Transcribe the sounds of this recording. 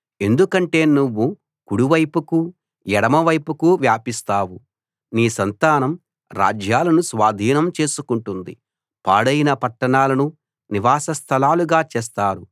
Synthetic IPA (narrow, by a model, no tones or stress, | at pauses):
e̞nd̪ukɐɳʈe̞ːnuʋːu | kuɽuʋɐjpuku | jɛɽɐmɐʋɐjpukuʋjaːpist̪aːwu | niːsɐnt̪aːnɐm | ɾa̰ːd͡ʒjaːlɐnusʋaːd̪ʱiːnɐmt͡ʃe̞ːsukuɳʈund̪i | paːɽɐjinɐpɐʈːɐɳaːlɐnu | niʋaːsɐst̪ʰɐlaːluɡaːt͡ʃeːst̪aːɾu